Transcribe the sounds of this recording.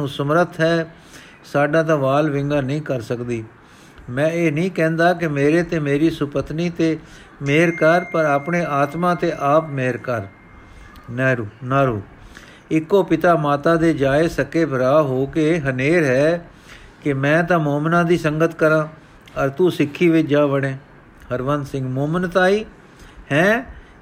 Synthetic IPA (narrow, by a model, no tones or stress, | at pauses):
ũːsəmɾət̪ʰɦɛː | saːɖãːt̪ãːʋaːlʋɪ̃ŋɡaːnəĩːkəɾsəkd̪iː | mɛ̃ːeːnĩːkɛ̃ːnd̪aːkɪmeːɾeːt̪eːmeːɾiːsʊpət̪niːt̪eː | meːɾkəɾpəɾaːpɳeːʔaːt̪mãːt̪eːʔaːpmeːɾkəɾ | nɛːɾuːnaːɾuː | ɪkːoːpɪt̪aːmaːt̪aːd̪eːd͡ʒaːeːsəkeːbʱəɾaːɦoːkeːɦəneːɾɦɛː | kɪmɛ̃ːt̪ãːmoːmnãːd̪iːsəŋɡət̪kəɾãː | əɾt̪uːsɪkʰːiːʋɪt͡ʃd͡ʒaːbəɽ̃ẽː | həɾʋənd̪sɪ̃ŋɡmoːmənt̪aːiː | hɛ̃ː